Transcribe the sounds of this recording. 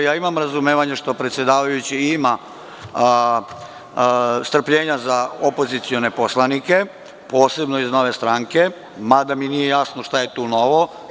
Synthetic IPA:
jaːimamɾazumeːʋaɲeʃt̪o̞pɾet̪sʲje̞d̪aːʋajut͡ɕiima | st̪r̩pʎe̞ːɲazaopo̞zit̪sio̞ne̞po̞slˠanike̞ | po̞ːse̞bno̞izno̞ʋe̞st̪ɾaːŋke̞ | mad̪aminije̞jasnoʃt̪aje̞t̪uːno̞ʋo̞

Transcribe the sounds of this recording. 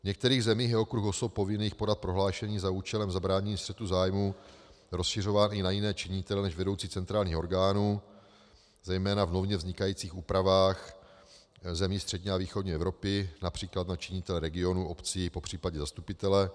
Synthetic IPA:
vɲɛk̚t̪ɛɾiːɣzɛmiːxjɛokɾuxosop̚po̞vɪniːxpo̞dat̪̚pɾo̞ɦlaːʃɛɲiːzauːt͡ʃɛlɛmzabɾaːɲɛɲiːst̪r̥ɛt̪uzaːjmuɾo̞sʃɪr̝o̞vaːnɪnajɪnɛːt͡ʃɪɲɪt̪ɛlɛnɛʃvɛdo̞wt͡siːt͡sɛnt̪ɾaːlɲiːxoɾɡaːnuː | zɛjmɛːnavno̞vɲɛvzɲɪkajiːt͡siːxuːpɾavaːx | zɛmiːst̪r̥ɛdɲɛaviːxodɲiɛvɾo̞pɪnapr̝̥iːklat̪nat͡ʃɪɲɪt̪ɛlɛɾɛɡɪo̞nuʔo̞pt͡sipo̞pr̝̥iːpaɟɛzast̪upɪt̪ɛlɛ

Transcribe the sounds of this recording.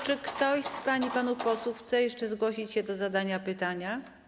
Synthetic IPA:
t͡ʂɘkt̪ɔɕspaɲipanupɔswuxt̪sɛjɛʂt͡ʂɛzɡwɔɕit͡ɕɕɛd̪ɔzad̪aɲapɘt̪aɲa

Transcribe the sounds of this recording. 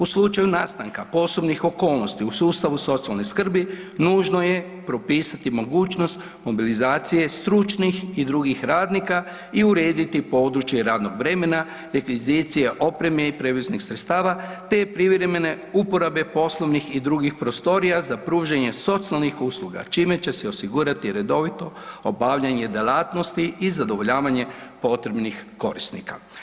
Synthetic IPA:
uslˠut͡ʃajunaːst̪aŋkapo̞so̞bnixo̞ko̞ːlˠno̞st̪iusuːst̪aʋuso̞t̪sialniskr̩bi | nuːʒno̞je | pɾo̞piːsat̪imo̞ɡuːt͡ʃno̞st̪ | mo̞bilizaːt̪sije̞st̪ɾut͡ʃnixid̪ɾuːɡixɾaːd̪nika | iuɾeːd̪it̪ipo̞ːd̪ɾut͡ʃjeɾaːd̪no̞ɡʋɾe̞me̞na | ɾekʋizit̪sije̞ʔo̞pɾe̞meipɾe̞ʋiznixsɾet̪st̪aːʋat̪e̞pɾiʋɾemene̞ | upo̞ɾabe̞po̞slˠo̞ʋnixid̪ɾuɡixpɾo̞st̪o̞ɾijazapɾuːʒaɲe̞so̞t̪sialˠnixusluɡa̰t͡ʃime̞t͡ɕe̞seosiɡuːɾat̪iɾe̞d̪o̞ʋit̪o̞obaʋʎaɲe̞d̪elˠaːt̪no̞st̪iizad̪o̞ʋoʎaːʋaɲe̞po̞t̪ɾe̞bnixko̞̰ɾist̪nḭka̰

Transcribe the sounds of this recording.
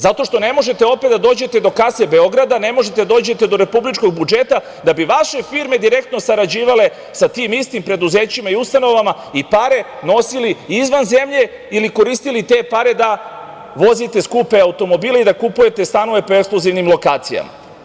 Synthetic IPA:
zat̪o̞ʃt̪o̞ne̞mo̞ʒe̞t̪e̞o̞pe̞t̪d̪ad̪o̞ːd͡ʑe̞t̪e̞d̪o̞kasebe̞o̞ɡɾad̪ane̞mo̞ʒe̞t̪e̞d̪oːd͡ʑe̞t̪e̞d̪o̞ɾe̞publit͡ʃko̞ɡ̚bud͡ʒe̞t̪a | d̪abiʋaʃe̞fiɾme̞d̪iɾe̞k̚t̪no̞saɾad͡ʑiːʋale̞ | sat̪imist̪impɾe̞d̪uzeːt͡ɕimaiust̪ano̞ʋama | ipaɾe̞no̞siliizʋanze̞mʎe̞ | iliko̞ɾiːst̪ilit̪e̞paɾe̞d̪a | ʋo̞zit̪e̞skupe̞aut̪o̞mo̞biːleid̪akupuje̞t̪e̞st̪ano̞ʋe̞po̞ekskluziʋnimlˠo̞kaːt̪sija̰ma̰

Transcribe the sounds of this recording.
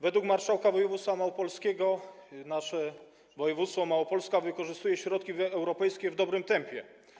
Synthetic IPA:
vɛd̪wukmaɾʂawkavɔjɛvut̪sfamawɔpɔlskʲɛɡɔ | naʂɛ | vɔjɛvut̪sfɔmawɔpɔlskavɘkɔʐɘst̪ujɛɕɾɔt̪̚kʲiɛwɾɔpɛjskʲɛvd̪ɔbɾɘmt̪ɛmpʲjɛ

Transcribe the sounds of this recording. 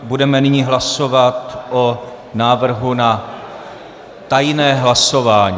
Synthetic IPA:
budɛmɛnɪɲiːɦlaso̞vat̪ʔo | naːvr̩ɦuna | t̪ajnɛːɦlaso̞vaːɲi

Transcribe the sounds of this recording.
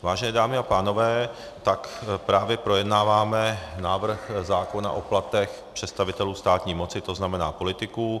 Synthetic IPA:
vaːʒɛnɛːdaːmɪapaːno̞vɛː | t̪akpɾaːvjɛpɾo̞jɛdnaːvaːmɛnaːvr̩xzaːko̞na̰ʔo̞plat̪ɛx | pr̥ɛt̪st̪avɪt̪ɛluːst̪aːt̪ɲiːmo̞t͡sɪt̪oznamɛnaːpo̞lɪt̪ɪku

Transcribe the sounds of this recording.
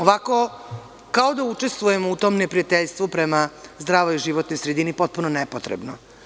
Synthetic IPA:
oʋako̞ | kao̞d̪aut͡ʂe̞st̪ʋuje̞mout̪o̞ːmnepɾijat̪eʎʲst̪ʋupɾemazd̪ɾaːʋoiʒiʋot̪nojsɾed̪inipo̞t̪̚punonepot̪ɾḛbno

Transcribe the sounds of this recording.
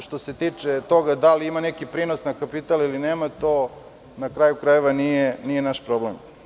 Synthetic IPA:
ʃt̪o̞se̞t̪iːt͡ʂet̪o̞ɡad̪aliimanekipɾiːnosnakapit̪alilineːmat̪o | nakɾajukɾajeʋanijenijenaʃpɾoblem

